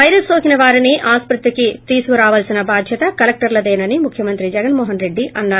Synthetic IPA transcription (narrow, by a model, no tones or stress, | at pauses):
ɐjɾɐsoːkinɐʋaːɾiniʔaːspɾut̪ʋɐkit̪iːsukuɾaːʋɐlsinɐbaːd̪ʱjɐt̪ɐkɐlɐk̚ʈɐɾlɐd̪eːnɐnimukʰjɐmɐnt̪ɾid͡ʒɛɡɐnmoːɦɐnɾe̞ɖːiʔɐnːaː